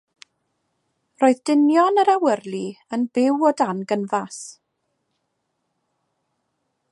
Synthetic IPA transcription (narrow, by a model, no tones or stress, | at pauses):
roːɨðdɪnjɔnəɾawərlˠiənbɪwɔdanɡənvas